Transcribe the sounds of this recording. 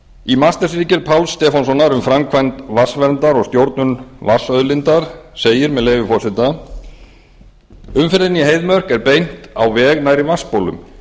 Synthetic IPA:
imast̪asɾiːcɪɾ̥pʰawlst̪ɛːfɔnsɔnːaɾʏmfɾamkʰvajnt̪vasvɛɾnt̪aɾɔɣst̪jowɾt̪nʏnvasœðlɪnt̪aɾ̥seːjɪɾmɛðleːjvɪfɔ̥sɪt̪a | ʏmfɪɾðɪniɦejðmœr̥kɛɾpejn̥t̪a̰wvɛːɣnajɾivaspowlʏ̰m

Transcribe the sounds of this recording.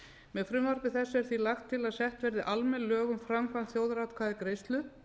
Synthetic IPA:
mɛðfɾʏmvaɾ̥pɪθɛsːɛɾ̥θvilaxt̪ʰːɪlaðsɛht̪vɛɾðɪʔalmɛnlœːɣʏmfɾamkʰvant̪θjowðɾat̪kʰvaːðɪkɾejst̪lʏ

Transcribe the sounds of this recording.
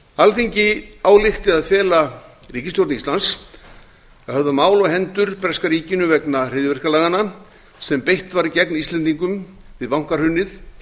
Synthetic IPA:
alθiɲcɪaːwlɪxt̪ɪðaðfjɛːla | riːcɪst̪jowɾt̪nist̪lans | ahœvðamaːwlɔɣɦɛnt̪ʏɾpɛ̥skaɾiːcɪnʏvɛknar̥ɪðjvɪr̥kalaɣanːa | sɛmpejht̪vaɾicɛknist̪lɛnt̪iŋkʏm | vɪðvawŋ̥kaɾ̥hʏnːɪθ

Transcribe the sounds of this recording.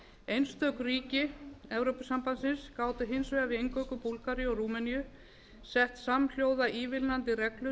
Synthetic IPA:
ejnst̪œhkriːcɪɛvɾowpʏsampansɪnskaːwt̪ɪɦɪnsvɛɣavɪejŋkœwkʏpulkaɾjɔruːmɛnijʏ | sɛht̪saml̥joːwðaʔiːvɪlnant̪ɪrɛklʏ

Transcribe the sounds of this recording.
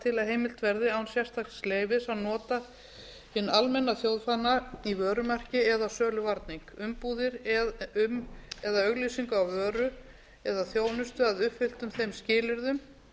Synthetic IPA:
t̪ʰɪlaɦejmɪl̥t̪vɛɾðɪawnsjɛr̥t̪ʰak̪sleːjvɪsawnɔːt̪a | hɪnːalmɛnːaθjowðfanːaivœːɾʏmɛr̥cɪɛðasœːlʏvaɾt̪niŋkʏmpuːðɪɾʏmɛðaœɣlisiŋkʏawvœːɾʏ | ɛðaθjoːwnʏst̪ʏaðʏhpfɪl̥t̪ʏmθejmscɪːlʏɾðʏm

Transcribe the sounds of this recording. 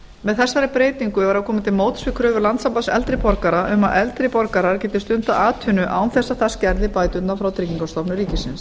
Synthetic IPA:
mɛðθɛsːaɾɪpɾeːjt̪niŋkʏvaɾakʰɔːmɪt̪ʰɪlmoːwt̪svɪkʰɾœːvʏɾlant̪sampaðsɛ̰lt̪ɾɪpɔɾkaɾaʔʏmaðʔɛlt̪ɾɪpɔɾkaɾaɾcɛːt̪ɪst̪ʏnt̪aaːt̪ʰʏnʏʔa̰ːwnθɛsːaðθascɛɾðɪpaːjt̪ʏt̪nafɾawt̪ʰɾiːciŋkawst̪ɔpnʏɾiːcɪsɪns

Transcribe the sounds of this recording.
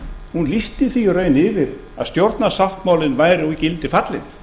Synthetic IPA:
hunlist̪ɪθiɔreːɥjnɪvɪɾ | a̰ðst̪jowɾt̪nasawht̪maːwlɪnvaːjɾɪcɪlt̪ɪfat̪lɪ̰n

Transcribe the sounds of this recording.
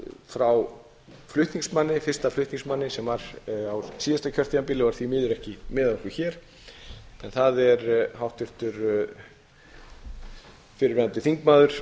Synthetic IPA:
fɾaw | flʏht̪niŋksmanːɪfɪrst̪aflʏht̪niŋsmanːɪsɛmvaɾ̥awsiːðast̪acʰœrt̪iampɪlɪvaɾθvimɪːðʏɾɛhcɪmɪːðaɔhkvɪçɛɾ̥ | ɛnθaðɛɾɦawht̪ʏft̪ʏɾ | fɪɾɪvant̪ɪθiŋkmaːðʏɾ̥

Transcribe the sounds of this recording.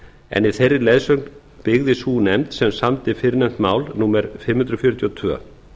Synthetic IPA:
ɛ̰niθerːɪlejðsœkn | pɪɣðɪsuːnɛmt̪sɛmsamt̪ɪfɪɾnɛm̥t̪maːwlnumɛɾfɪmːhʏnt̪ɾʏfjœɾʏt̪ʰjɔt̪ʰvœ̰ː

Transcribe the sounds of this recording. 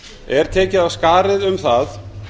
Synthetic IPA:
ɛɾ̥t̪ʰɛːcɪðawskaːɾɪðʏmθað

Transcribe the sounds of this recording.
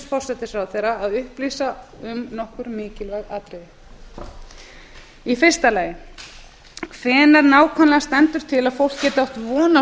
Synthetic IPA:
fɔr̥sɛt̪ɪsɾawθejɾaːðʏhpliːsaʏmnɔhkʏɾmɪːcɪlvɛɣaːt̪ɾɪðɪ | ifɪ̥st̪alaːjɪ | kʰvɛːnaɾnaːwkʰvanlɛast̪ɛnt̪ʏɾ̥t̪ʰɪlaðfowl̥kcːɛːt̪ɪawht̪vɔːna

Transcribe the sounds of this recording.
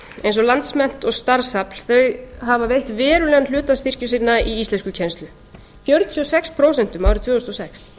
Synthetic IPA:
ejnsɔlant̪smɛn̥t̪ɔɣst̪aɾsapl̥θœɥjɦavavejht̪vɛːɾʏlɛɣanlʏːt̪ast̪ir̥cʏsinːaʔiist̪ɛnscʏcʰɛnst̪lʏ | θjœɾt̪t̪ʰyɔsɛkspʰɾowsɛn̥t̪ʏmaːwɾɪɾt̪v̥ʏːʏst̪ɔsɛks

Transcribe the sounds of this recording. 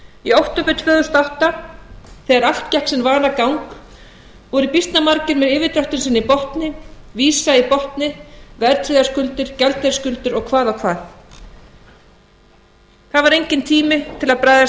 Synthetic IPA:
iowht̪ɔpʏt̪ʰvœːðʏst̪awht̪a | θɛɣaɾaft̪cahksɛmvaːɾakawŋk | ɔɣɾɪpist̪namaɾcɪɾmɛðɪːvɪt̪ɾawht̪ɪnsɪnːɪipɔht̪nɪviːsaipɔht̪nɪvɛɾt̪ʰɾɪðḁskʏlt̪ɪɾ̥cɛlt̪ɛ̥skʏlt̪ʏɾɔɣkʰvaːðawkʰv̥aːð | θaðvaɾejɲcɪnt̪ʰiːmɪt̪ʰɪlaðpɾaːjða

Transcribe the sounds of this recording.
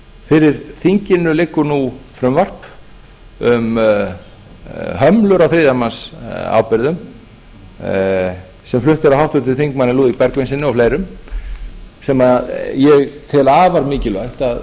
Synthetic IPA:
fɪɾɪɾ̥θiɲcɪnːʏlɪkːʏɾnufɾʏmvar̥p | ʏm | ɦœmlʏɾawθɾiːðamansa̰ːwpɪɾðʏm | sɛmflʏht̪ʏɾawhawht̪ʏt̪ɪlθiŋkmanːɪluːðipɛɾkvɪnsɪnʏɔfleːjɾʏm | sɛmaðjɛɣt̪ʰɪlaːvaɾmɪːcɪlvajht̪að

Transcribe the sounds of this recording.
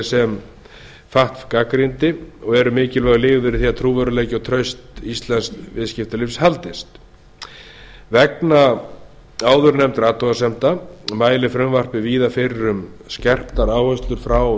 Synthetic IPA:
sɛm | faht̪fkakɾint̪ɪɔɣɛɾʏmɪːcɪlvaɣlɪːɣvɪɾɪθiat̪ʰɾuːvœɾʏlejcɪɔwt̪ʰɾœɥst̪ist̪lɛnskvɪ̰ðscɪft̪ʏlɪfshalt̪ɪst̪ | vɛkna | aːwðʏɾnɛmt̪ɾaːt̪ɔasɛmt̪amaːjlɪfɾʏmvar̥pɪviːðafɪɾːʏmscɛr̥pt̪aɾaːwhœst̪lʏɾ̥fɾaw

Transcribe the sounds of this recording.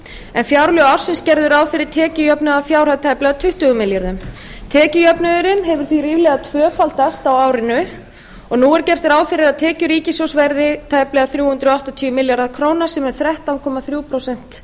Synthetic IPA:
ɛnfjaːwɾlʏawɾ̥sɪnscɛɾðʏɾaːwfɪɾɪɾ̥t̪ʰɛːcɪjœpnʏðafjawr̥aðt̪ʰajplɛɣat̪ʰʏht̪ʏɣʏmɪljaɾðʏm | t̪ʰɛːcɪjœpnʏðʏɾɪnɦɛvʏɾ̥θviɾiːvlɛɣat̪ʰvœːfalt̪ast̪awawɾɪnʏ | ɔɣnuːɛɾcɛr̥t̪ɪɾaːwfɪɾɪɾaðt̪ʰɛːcʏɾiːcɪsowsvɛɾðɪt̪ʰaːjplɛɣaθɾjuːhʏnt̪ɾʏɔaht̪at̪ʰyːʏmɪljaɾðaðkʰɾownasɛmɛɾ̥θɾɛht̪awnkʰɔmaθɾjuːwpʰɾowsɛn̥t̪

